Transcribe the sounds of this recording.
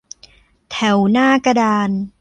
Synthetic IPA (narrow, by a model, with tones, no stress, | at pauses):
t̪ʰɛ˨˩˦wnaː˥˩ka˧daː˧n